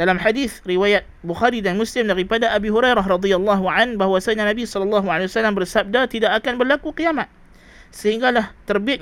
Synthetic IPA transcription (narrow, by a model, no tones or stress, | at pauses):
d̥alamħadiθriwajat̪̚buxaɾidanmuslɪmdaɾipadaʔabiɦuɾajɾaɦrɑd̪ialˠˤːɑɦuʕanbaɦwasaɲanabisɔlɔlːɑɦualewasalambərsab̚dat̪idaʔːkanbərlakukiamat̪̚ | səhiŋɡalaht̪ərbiɪt̪̚